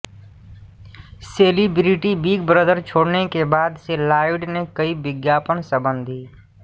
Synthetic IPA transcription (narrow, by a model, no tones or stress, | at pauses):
seːlibɾiʈibiːɡ̚bɾəd̪ʱəɾt͡ʃʰoːɽnekebaːd̪selaːɪʋɖnekɐiʋɪɡjaːpənsəbə̃nd̪ʱiː